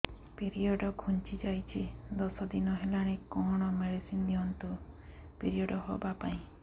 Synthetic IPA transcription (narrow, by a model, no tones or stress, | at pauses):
piɾiɔɖɔɡʱunt͡ʃid͡ʒajt͡ʃʰid̪ɔsɔd̪inɔɦelaɽ̃ekɔɽ̃ɔmeɽisind̪iɦɔnt̪u | piɾiɔɖɔɦobapaĩ